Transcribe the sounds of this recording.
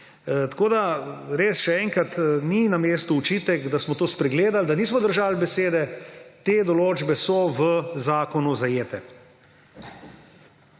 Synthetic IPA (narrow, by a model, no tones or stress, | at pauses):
t̪ḁkoːd̪aɾeːsʃɛɛŋkɾat̪ninameːst̪uːt͡ʃiːt̪ɛkd̪asmɔt̪oːspɾɛɡleːd̪ald̪aniːsmɔd̪əɾʒaːlbɛseːd̪ɛt̪eːd̪ɔloːd͡ʒbɛsɔʋəzaːkɔnuzajeːt̪ɛ